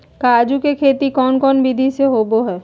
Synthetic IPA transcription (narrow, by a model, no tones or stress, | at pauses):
kaːd͡ʒukekʰeːt̪ikɔːnkɔːnbid̪ʱiseɦoːboɦɛː